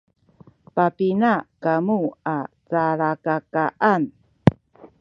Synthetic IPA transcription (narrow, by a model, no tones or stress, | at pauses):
papinakamua | t͡saɭakakaʔan